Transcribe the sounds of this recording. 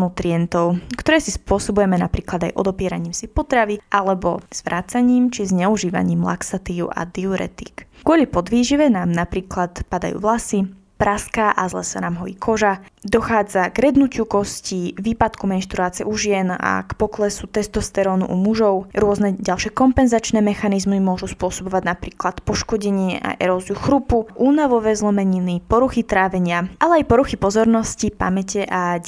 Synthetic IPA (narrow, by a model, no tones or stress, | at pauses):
nut̪ɾiɛnt̪ɔʊkt̪ɔɾɛːsispʊɔsɔbujɛmɛnapɾiːklˠad̪ajʔɔd̪ɔpɪɛɾaɲiːmsipɔt̪ɾaʋiʔalɛbɔz̥ʋɾʔaːt͡saɲiːmt͡ʃizɲɛuʒiːʋa̰ɲiːmla̰ksat̪iːṵʔa̰d̪iuɾɛ̰t̪ḭkɡʊɔlipɔd̪ʋiːʒiʋɛnaːmnapɾiːklat̪pad̪a̰jṵːʋlasi | pɾʔaskaʔazlɛ̰sanaːmɦɔḭkʰɔʒad̪ɔxaːd͡zaɡɾɛd̪nucɪukɔsciʋiːpat̪kumɛnʃt̪ɾuaːt͡sɪɛʔuʒɪɛna̰kpɔklɛsut̪ɛst̪ɔst̪ɛɾɔːnṵʔumuʒɔʊɾʊɔznɛɟalʃɪɛkɔmpɛnzat͡ʃnɛːmɛxanizmimʊɔʒuspʊɔsɔbɔʋaɟnapɾiːklat̪pɔʃkɔɟɛɲɪɛʔa̰ʔɛ̰ɾɔːzijuxɾupuʔuːnaʋɔʋɛzlɔmɛɲinipɔɾuxit̪ɾaːʋɛɲɪaʔalɛajpɔɾuxipɔzɔɾnɔscipa̰mɛcɛʔa